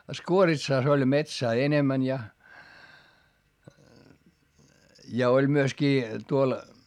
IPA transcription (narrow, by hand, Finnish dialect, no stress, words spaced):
skuoritsɑˑs olʲ metsæː enemæn jɑ jɑ olʲ myøskiː tuol